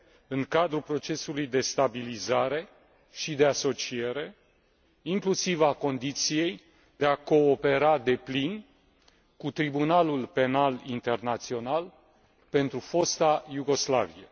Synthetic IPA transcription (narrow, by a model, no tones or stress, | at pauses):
ɨŋkad̪ɾupɾo̞t͡ʃe̞sulujd̪e̞st̪abilizaɾe̞ | ʃid̪e̞aso̞t͡ʃie̞ɾe̞ | iŋklusivako̞nd̪it̪sije̞j | d̪̥e̞ako̞ːpe̞ɾad̪e̞plin | kut̪ɾibunalulpe̞nalint̪e̞rnat̪sio̞nal | pe̞nt̪ɾufo̞st̪ajuɡo̞sla̰viḛ